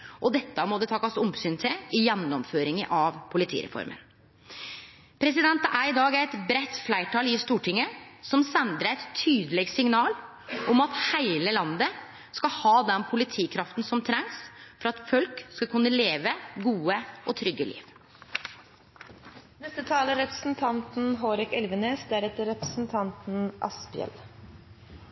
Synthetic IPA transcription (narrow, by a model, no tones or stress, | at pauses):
ʔɔd̪ɛt̪ːəmɔd̪ɛt̪ʰɑkːɑsʊmsyːnt̪ʰɪlɪjɛnːɔmføːɾɪŋəʔɑʋpʰʊlɪt̪ʰḭːɾɛ̰fɔ̰ɾmʔə̰n | pʰɾɛs̬ɪd̪ɛnt̪əʔæɾɪd̪ɑːɡæɪt̪bɾɛt̪ːflæɪʈʰɑːlɪst̪uːʈʰɪŋːəsɔmsɛnd̪ɾəæɪt̪t̪ʰːyːd̪əlɛɡsɪŋnɑːl | ʔɔmɑt̪hæɪləlɑnd̪ə | skɑhɑːd̪ɛnpʰʊlɪt̪ʰiːkʰɾɑft̪n̩sɔmt̪ʰɾɛŋsfɔɾɑt̪fœlkskɑkʉnːəleːʋəɡuːəʔɔt̪ʰɾʏɡːəlḭːʋ | nɛst̪ət̪ʰɑːləɾɛpɾə̥sn̩t̪ʰɑnt̪n̩ɦoːɾɛkɛlʋəneːsd̪æɾɛt̪əɾɛpɾəsn̩t̪ʰɑnt̪n̩ʔɑ̰spɪɛ̰l